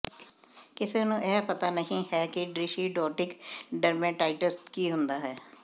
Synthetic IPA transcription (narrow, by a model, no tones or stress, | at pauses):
kɪseːnũːʔɛːpət̪aːnəɦĩːhɛːkɪɖɾɪʃiːɖɔːʈɪkɖəɾmẽːʈaːɪʈəst̪kiːɦʊ̃nd̪aːɦɛː